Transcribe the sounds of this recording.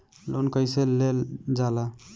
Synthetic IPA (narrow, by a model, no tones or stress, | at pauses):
lonkəjselːeld͡ʒala